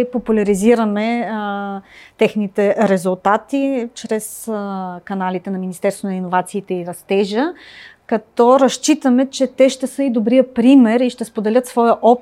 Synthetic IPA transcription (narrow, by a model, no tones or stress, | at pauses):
populʲɐɾiziɾəmɛ | t̪ɛxnit̪ɛɾɛzulˠt̪at̪it͡ʃɾɛskɐnalit̪ɛnɐminist̪ɛɾst̪vonɐinːovat̪siːt̪ɛiɾɐst̪ɛʒə | kɐt̪ɔɾɐʃt͡ʃit̪əmɛt͡ʃɛt̪ɛʃt̪ɛsɤid̪obɾiəpɾimɛɾiʃt̪ɛspod̪ɛlʲɤt̪svɔjəʔɔp